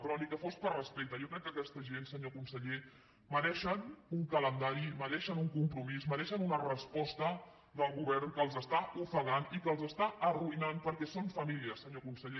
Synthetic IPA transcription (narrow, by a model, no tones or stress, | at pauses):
t̪ɾɔnikəfos̚pərrəspek̚t̪əjɔkɾɛk̚ːəkɛst̪əʒensəɲokunsəʎe | məɾɛʃənuŋkələnd̪aɾiməɾɛʃənuŋkumpɾumisməɾɛʃənunərəspɔst̪ə | d̪əlˠɣuβɛɾnkəːlˠzəst̪aufəɣanikəːlˠzəst̪aəruinanpəɾkɛsoɱfəmiliəsəɲokunsəʎe